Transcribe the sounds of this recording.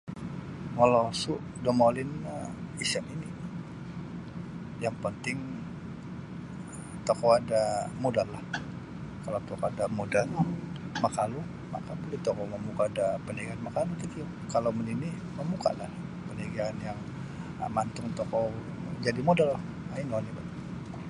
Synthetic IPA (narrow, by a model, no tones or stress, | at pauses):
ŋolosʊʔ | domolɪnəisɛnini | jaŋpənt̪ɪŋ | t̪okowadamodalːah | kalawt̪okoadamodalmakalu | makabolɛht̪okoməmukaːdapənaɡaːnmakalut̪ik̪i | kalawmənini | məmuka̰la̰hpənaɡaːnjaŋ̰ | mant̪ʊŋt̪oko | d͡ʒadimodala | aiŋonibat̪